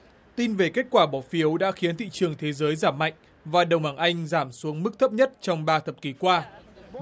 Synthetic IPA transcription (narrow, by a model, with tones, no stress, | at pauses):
t̪i˧nve˨˩ke˦˥t̚kwaː˧˩ɓɔ˧˩fi˨˦əwɗa̰ː˧˥xi˨˦ənt̪ʰḭ˧˨t͡ɕɨ˨˩əŋt̪ʰe˨˦zəː˨˦jzaː˧˩mːa̰˧˨jŋ̟ | vaː˨˩ɗə˨˩wŋ͡mɓaː˨˧˩ŋʔa˧jŋ̟zaː˧˩msu˨˦əŋmɨ˦˥k̚t̪ʰə˦˥p̚ɲə˦˥t̚t͡ɕɔ˧wŋ͡mɓaː˧t̪ʰə˨˩p̚ki˨˩kwaː˧